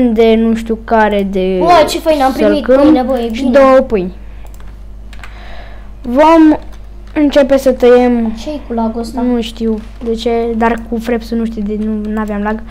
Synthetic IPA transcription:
nd̪e̞nuʃt̪ʲukaɾe̞d̪e̞t͡ʃefəjnampɾiəlit̪kɨmnevojebʃid̪owəpɨj | vo̞m | ɨnt͡ʃe̞pe̞sət̪əjemʃejkulaɡost̪nuʃt̪iw | d̪e̞t͡ʃe̞d̪arkufɾe̞psunuʃt̪id̪enunaveamlaɡ

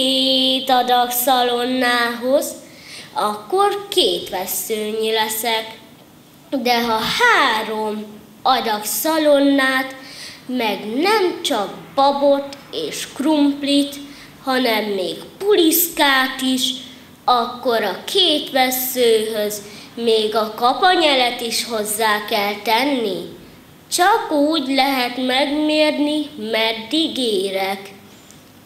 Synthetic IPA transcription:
et̪ɒd̪ɒksɒlo̞nːaːɦo̞z | ɒkːo̞rkeːt̪ʋɛsːøːɲilɛsɛk | d̪ɛɦɒhaːɾo̞m | ɒd̪ɒksɒlo̞nːaːt̪mɛɡnɛmt͡ʃɒk̚bɒbo̞t̪eːʃkrumplit̪ | hɒnɛmːeːkpuliskaːt̪iʃ | ɒkːo̞ɾɒkʰeːt̪ʋɛsːøːɦøzmeːɡɒkɒpɒɲɛlɛt̪iʃho̞zːaːkɛlt̪ɛnːi | t͡ʃɒkuːɟlɛɦɛt̪mɛɡmeːrnimɛd̪iɡeːɾɛk

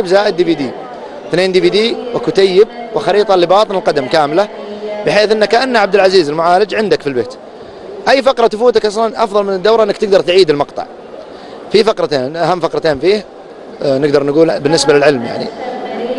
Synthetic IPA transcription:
bzaːʔɪd̪ːibiːd̪iː | θneːnd̪ibiːd̪iːwɪkut̪ajːɪb̚wɪxɑɾiːt̪ˤɑlɪbɑːt̪ˤɨnɪlqɑd̪amkaːmɪlabɪħeːθʔɪnːakaʔanːaʕab̚d̪ɪlʕaziːzɪlmʊʕaːlɪd͡ʒʕɪnd̪akfilbḛːt̪ | ʔajːfɑqɾˤɑt̪ʊfuːt̪akʔɑsˤlanʔɑfðˤɑlmɪnɪd̪ːawɾˤʔɪnːakt̪ɪɡd̪ɑɾˤt̪ʕiːd̪ɪlmɑqt̪ˤɑ̰ʕ | fifɑqɾˤɑt̪eːnʔaɦamːfɑqɾˤɑt̪eːnfiːh | nɪɡd̪ɑɾˤnɡuːlbɪnːɪsbalɪlʕɪlmja̰ʕnḭ

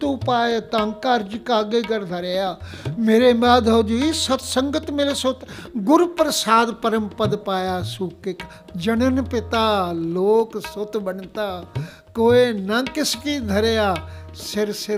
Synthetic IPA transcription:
t̪uːpaːjet̪ə̃ŋkaːɾd͡ʒikaːɡeɡɐɾd̪ʱɐɾejaːmeːɾemaːd̪ʱoːd͡ʒ̪oisɐt̪sɐ̃ŋɡət̪mɪlesot̪ɡʊɾpɾəsaːd̪pəɾəmpəd̪paːjaːsuːkɪk | d͡ʒɐnənpɪt̪aːloːksʊt̪bɐnt̪aː | koːenɐkɪskid̪ʱɐɾejaːsɪɾsɪ

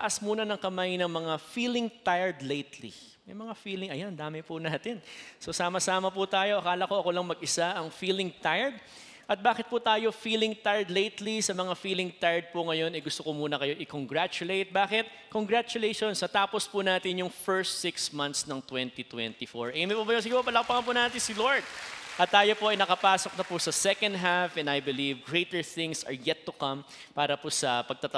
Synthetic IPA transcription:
t̪ɐʔɐsmuːnɐnɐŋkɐmajnɐŋmɐŋafiːlɪŋt̪ajɛɹd̪lejt̪lḭ | mɐjmɐŋafiːlɪŋɐjand̪aːmɪpʊnaːt̪ɪnso̞saːmɐsaːmɐput̪aːjo̞ʔɐkaːlɐko̞ɐkolɐŋmɐɡɪsaʔɐŋfiːlɪŋt̪ajɛɹd̪̚ | ʔɐt̪̚baːkɪt̪̚put̪aːjo̞fiːlɪŋt̪ajd̪lejt̪lisɐmɐŋafiːlɪŋt̪ajɹd̪̚pʊŋɐjo̞nɐjɡʊst̪okomuːnɐkɐjoʔɪkoŋɡɹat͡ʃʊlejt̪̚baːkɪt̪̚ | koŋɡɹat͡ʃʊlejʃonsnɐt̪aːpospʊnaːt̪ɪnjʊŋfɛɹst̪sɪksmɐ̃nt̪snɐŋt̪wɛnt̪it̪wɛ̰nt̪ifoɹʔɐjɐmɪpobɐjos̬ɪɡɪpopɐlɐkpɐŋɐpʊnaːt̪ɪnsɪloɹd̪̚ʔɐt̪ːaːjo̞poʔɐjnɐkɐpaːsok̚nɐpʊsɐsɛkɐnd̪ɦafɛ̃nd̪ɐjbɪlivɡɹejt̪ɛɹθɪ̃ŋsɐ̰ɹjɛt̪ːʊkɐ̃mpaːɾɐpʊsɐpɐɡ̚t̪ɐt̪

